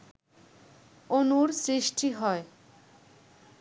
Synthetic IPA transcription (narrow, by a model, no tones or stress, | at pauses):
onuɾsɾiʃʈʰiɦɔe